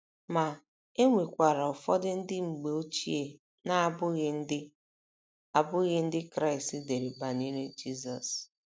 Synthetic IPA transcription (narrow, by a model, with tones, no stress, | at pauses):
ma˨ | e˦ŋʷe˨kʷa˨ɾa˨ʊ˨fɔ˦dɪ˦n̩˦dɪ˦ŋ͡m̩˨ɡ͡be˨o˦t͡ʃi˦e˨ | na˦bʊ˦ɣɪ˦n̩˦dɪ˦ | a˨bʊ˦ɣɪ˦n̩˦dɪ˦kɾa˦ɪ˨stɪ˦de˨ɾe˨ba˨ni˦ɾe˦d͡ʒi˦˨zɔ˨s